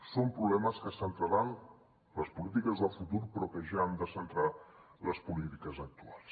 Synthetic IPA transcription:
sompɾuβlɛməskəsənt̪ɾəɾan | ləspulit̪ikəzðəlˠfut̪uɾpɾɔkəʒaənd̪əsənt̪ɾaləspulit̪ikəzək̚t̪ua̰lˠs

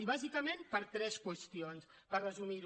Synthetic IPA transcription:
iβazikəmẽnpəɾt̪ɾɛskwəst̪ions | barəzumiɾ

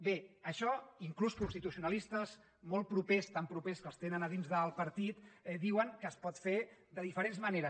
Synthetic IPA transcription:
beəʃɔiŋkluskunst̪it̪usiunəlist̪əz | molˠt̪̚pɾupest̪ampɾupeskəlst̪enənəð̞inzðəlˠpəɾt̪it̪ðiwəŋkəːspɔt̪feðəðifəɾenzməneɾə

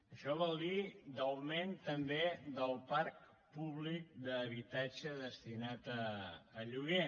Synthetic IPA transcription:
əʃɔβɔlˠd̪id̪əwment̪əmbeðəlˠpaɾk̚ | puβlik̚d̪əβit̪ad͡ʒəðəst̪inat̪əːʎuɣe

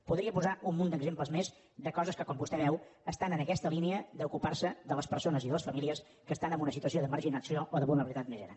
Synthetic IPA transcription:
puðɾiəpuzaʔummund̪əɡzempləzmez | d̪əkɔzəskəkɔmbust̪ɛβɛwəst̪anənəkɛst̪əlineəd̪əukuparsəðələspəɾsonəziðəlˠəsfəmiliəs | kəːst̪anəmbunəsit̪uəs̬ioðəməɾʒinəksioʔoðəβulˠnəβlit̪at̪̚mezə̰ɾa̰n

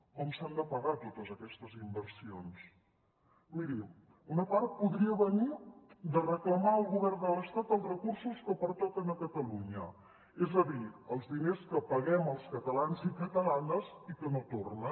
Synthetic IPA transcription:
kɔmsand̪əpəɣat̪ot̪əzəkɛst̪əzimbəɾsions | biði | unəpaɾt̪̚puðɾiəβənid̪ərəkləmaəlˠɣuβɛrnd̪ələst̪at̪əlˠzrəkuɾsuskəpəɾt̪ɔkənəkət̪əluɲə | ezəðiəlˠzðineskəpəɣɛməlˠskət̪əlanzikət̪əlanəzikənot̪ornə

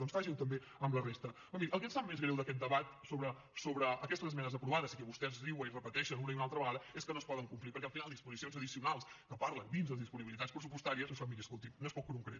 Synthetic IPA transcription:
ɔnsfaʒiwt̪əmbe | əmlərest̪əbamiʔəlˠkɛnsabmːezɣɾewd̪əkɛt̪d̪əβat̪soβɾə | soβɾəːkɛst̪əzəzmɛnəzəpɾuβaðəsikɛβust̪ɛzðiwənirəpət̪ɛʃənunəiunalˠt̪ɾəβɣaðəeskənospɔðəŋkumplipəɾkɛəlˠfinalˠd̪ispuzisionzəðisiunalˠskəpaɾlənd̪inzðləzðispuniβilit̪aspɾəsupust̪aɾiəzəsfamiliəskulˠt̪innoespɔt̪̚kuŋkɾḛt

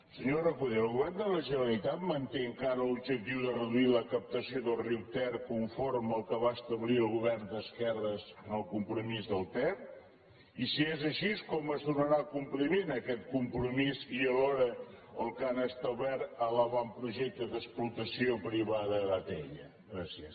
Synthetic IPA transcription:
səɲorəkuðeəlˠɣuβɛrnd̪ələʒənəlit̪at̪mənt̪eəŋkaɾəlubd͡ʒək̚t̪iwðərəðuiləkəp̚t̪əsioðəlˠriwt̪ɛrkuɱforməlˠkəβaəst̪əβliəlˠɣuβɛrnd̪əskɛrəz | ənəlˠkumpɾumizðəlˠt̪ɛr | isiezəʃiskɔməzðunəɾakumplimenəkɛt̪kumpɾumiziəlɔɾə | əlˠkanəst̪auβɛɾt̪əlaβampɾuʒɛk̚t̪əðəksplut̪əsiopɾiβaðəət̪ɛʎə̰ | ɣɾasiəs

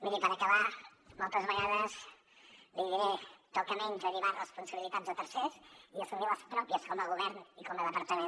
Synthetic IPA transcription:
miɾipəɾəkəβamɔlˠt̪əzβəɣaðəs | liðiɾet̪ɔkəmɛnzəɾiβarəspunsəβilit̪ad͡zzðət̪əɾsesiəsuiβəspɾɔpiəskɔməlˠɣuβɛɾnikɔməðəpəɾt̪əme

